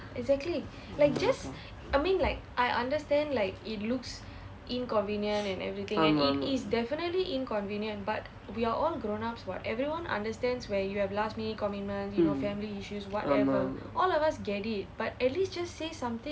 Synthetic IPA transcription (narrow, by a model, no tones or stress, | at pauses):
ɛɡzɛk̚tli | laɪk̚d͡ʒas | amĩnlaɪkʔajʔã̰ndəstɛ̃ndlaɪkitluks | ʔĩnkɔ̃nvĩnjə̃ntɛ̃nɛ̰vɾit̪ĩŋɛ̃nitisdɛfinətliʔĩnkɔ̃nvĩnjə̃nt̚bat | wiaʔɔlɡɾõnapswɔ̰tɛvɾiwãnʔã̰ndəstɛ̃ndswɛjuhɛvlastminikɔmit̚mə̃nsjunofɛ̃mliiʃuswɔtɛvəʔɔlɔvasɡɛtit̚b̥at̚ɛtlistd͡ʒastːesãmt̪ĩ